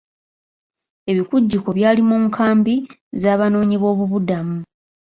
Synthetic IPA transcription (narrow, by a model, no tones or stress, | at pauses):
e̞βikuɟːuko̞βjaːlimuːŋkʰaːmbi | zaːβano̞ːɲiβo̞ːβuβudamu